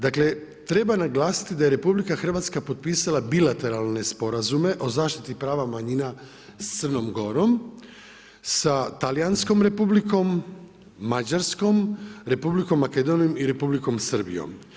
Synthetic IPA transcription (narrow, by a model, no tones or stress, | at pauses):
d̪akle̞ | t̪ɾe̞banaɡlaːsi̥t̪id̪aje̞ɾe̞publikaxr̩ʋat̪skapo̞t̪̚piːsalabilat̪e̞ɾalˠne̞spo̞ɾazume̞ʔo̞zaːʃt̪it̪ipɾaːʋamaɲina | st̪sərno̞mɡo̞ɾo̞m | sat̪alijansko̞mɾe̞publiko̞mː | ad͡ʒaɾsko̞mɾe̞publiko̞mːake̞d̪o̞nijomiɾe̞publiko̞msər̩bḭjo̞̰m